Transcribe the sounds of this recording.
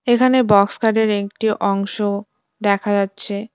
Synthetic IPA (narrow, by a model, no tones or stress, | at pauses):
ekʰanebɔkskaɾɖeɾek̚ʈiʔɔŋʃo | d̪ɛkʰad͡ʑatːɕʰe